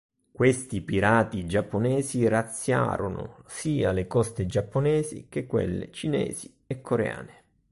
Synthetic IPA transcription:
kwest̪ipiɾaːt̪id͡ʒapːonɛːzirat̪sːja̰ːɾonʊ̰siːalɪkɔst̪ɪd͡ʒapːonɛːzḭk̟ekːwḛlːɪ̰t͡ʃinɛ̰ːzi | ɛkːoɾḛa̰ːnɪ

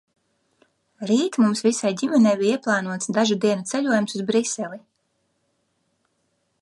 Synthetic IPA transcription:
ɾiːt̪mumsvisajdʲimɛnɛjbiiɛplˠɑːnuɔt̪sd̪aʒud̪iɛnut̪sɛʎʲuɔjumsuzbɾisɛli

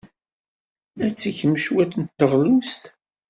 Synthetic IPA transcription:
æt͡sːiçəmːəʃwæθənt̪ːəʁlust̪

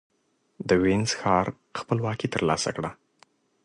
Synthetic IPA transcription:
d̪əwenz̥xɑɾ | xpəlwɑkit̪əɾlɑsa̰kɽa

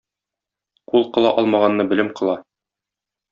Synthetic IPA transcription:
qulˠqɤ̆lˠɑʔɒlˠmɑʁɑnːɤbɘ̆lɘmqɤ̆lˠɑ

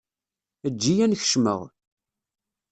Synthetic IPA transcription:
əd͡ʒːijænçə̥ʃmə̰ʁ

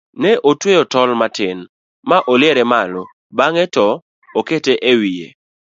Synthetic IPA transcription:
nɛʔotwejotɔlmatɪn | maʔolɪeɾɛmalɔ | baŋɛtɔ | oketeʔewijḛ

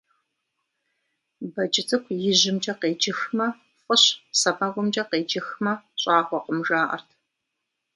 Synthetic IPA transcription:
bɐd͡ʒʼɪt͡sʰʼɨkʷʰjɪʑɪmt͡ʃʼɐqeːd͡ʒɪxmɐ | fʼəɕsɐpɐɡʷʊmt͡ʃʼɐqeːd͡ʒɪxmɐɕʼɑːχʷɔqəmʒaːʔɐ̰rtʰ

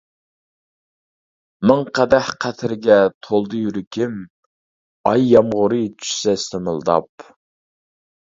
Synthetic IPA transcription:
mɨŋqʰæd̪æhqʰæt̪ʰɪɾɪɡʲɛt̪ʰolˠd̪ɨjyɾɪkʲʰɪm | ɑjːɑmʁʊɾɨt͡ʃʰy̥ʃsɛst̪ʰəmɨlˠd̪ɑ̰p

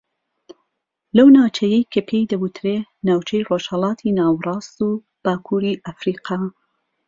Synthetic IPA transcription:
lɐwnaːwt͡ʃʰejejkʰɐpʰejd̪ɐbut̪ʰɾenaːwt͡ʃʰejroʃhɐlɑːt̪ʰinaːwrˤɑːst̪uː | b̥aːkʰuːɾiʔɐfɾiːqʰɑː

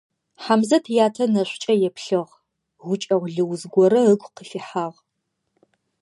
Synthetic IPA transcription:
ħamzɐtʰjaːtʰɐnɐɕʷt͡ʃʼɐjɛpɬɨʁ | ʁʷʊt͡ʃʼɐʁʷɮɨwzɡʷɔɾɐəɡʷqəfiħaːʁ

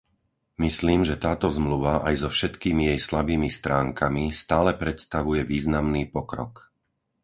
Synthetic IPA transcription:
misliːmʒɛt̪aːt̪ɔzmluʋaʔajzɔfʃɛt̪kiːmijɛjslabiːmist̪ɾaːŋkʰamist̪aːlɛpɾɛt̪st̪aʋujɛʋiːznamniːpɔkɾɔ̰k

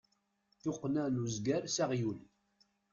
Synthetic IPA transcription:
θʊqːnænuzɡæɾsæʁjul

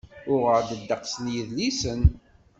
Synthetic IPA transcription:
ʊʁəɾd̪əd̪ːəqsnjəðlisən

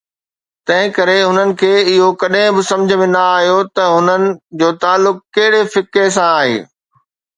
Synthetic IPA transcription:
t̪ɐ̃ɦɪ̃kɐɾeɦʊnənɪ̆kʰeːɪɦokɐɗɦɪ̃bɪsɐ̃md͡ʑʱəmẽnɐaːɦijot̪ɐɦʊnənɪ̆d͡ʑoːt̪aːlːʊkkɐɦɪɽefɪkes̬ãaːɦḛː

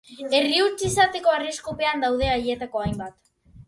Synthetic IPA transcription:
e̞riut͡sisat̪e̞ko̞ariskope̞and̪awðe̞aʎie̞t̪ako̞ajmbat̪

